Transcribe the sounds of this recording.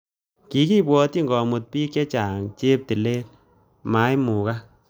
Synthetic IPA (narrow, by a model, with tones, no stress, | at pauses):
ki˨˦ki˦bwɔ˧˦ti˦ŋɡɔ˨mu˧t̚piː˦kt͡ʃe˦t͡ʃa˨ŋt͡ʃe˦p̚ti˨le˦l | ma˨˦jmu˨ka˦